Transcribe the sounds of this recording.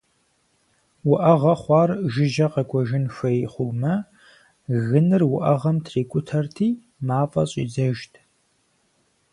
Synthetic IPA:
wʊʔɐʁɐχʷɑːrʒɪʒɐqɐkʷʼɔʒɪnʃʷɐjχʷʊmɐ | ɣɨnɨrwʊʔɐʁɐmtʰriːkʷʼʊtʰɐrtʰiː | maːfʼɐɕʼḭːzɐʒtʰ

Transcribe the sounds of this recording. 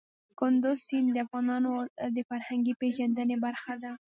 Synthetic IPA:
kʊnd̪ʊzsind̪əafɣɑnɑnod̪əfaɾhaŋɡipeʒand̪ənebaɾxad̪a

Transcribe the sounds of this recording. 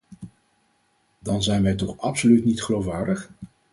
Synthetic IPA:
dɑnzɛjnʋɛjtɔχɑpsolytnitχəlowfʋaːɹdəχ

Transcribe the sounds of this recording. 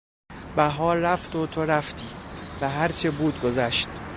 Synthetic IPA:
bæɦɒːɾɾæft̪ot̪ʰoɾæft̪ʰiːvæɦæɾt͡ʃʰebuːd̪̚ɡo̞zæʃt̪

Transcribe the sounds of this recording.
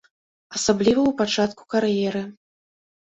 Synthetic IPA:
asablʲivɐwpat͡ʂat̪ku̥karjɛɾɨ

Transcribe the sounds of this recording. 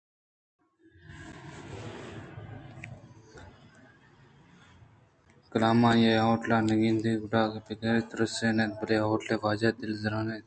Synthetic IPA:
kəlaːmãːjeːɦoːʈlaːnɐɡĩːnd̪iːɡʊʈaːkepikeɾeːt̪ɾəseːneːt̪̚bəleːɦoːʈleːʋaːd͡ʒaːd̪ɪlzəɾãːnẽːt̪

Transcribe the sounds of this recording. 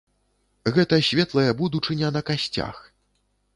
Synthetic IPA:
ɣɛt̪ɐsʲvʲɛt̪lˠɐjɐbud̪ut͡ʂɨnʲɛnɐkasʲt͡sʲa̰x

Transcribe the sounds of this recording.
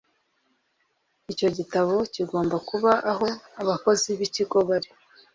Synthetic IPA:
ico̞ɟitaβo̞ciɡo̞ːmbakuβaʔaɦo̞aβako̞ziβiciɡo̞βaɾi

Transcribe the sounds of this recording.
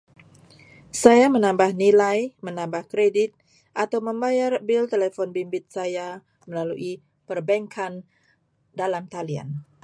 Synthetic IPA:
sajamənambahnilajmənambahkɾedit̪̚ | ʔat̪awməmbajarbilt̪elefɔnbimbɪt̪̚saja | məlaluʔi | pərbɛŋkʰan | dalamt̪alia̰n

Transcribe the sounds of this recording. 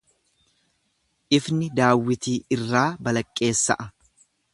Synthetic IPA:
ʔɪfnɪd̪aːwːɪt̪iːɪrːaːbɐlɐkʼːe̞ːsːɐ̰ʔɐ

